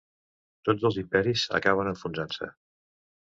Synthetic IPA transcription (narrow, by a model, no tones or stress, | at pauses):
t̪od͡zəlˠzimpɛɾizə̰kaβ̞ənəɱfunzansə̰